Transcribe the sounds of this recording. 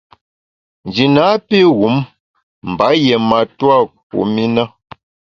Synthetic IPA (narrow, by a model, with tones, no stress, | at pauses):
n˨d͡ʒi˨na˨˦pi˦ɣu˨˦m | m̩˨ba˨˦jɛ˨ma˨twa˦˨k̚ṵ˨˦mi˦na˦